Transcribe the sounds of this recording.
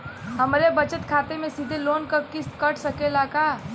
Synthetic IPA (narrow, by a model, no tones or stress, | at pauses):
ɦəmɾebət͡ʃət̪kʰaːt̪emẽsid̪ʱeloːnkəkiskəʈʰsəkelakaː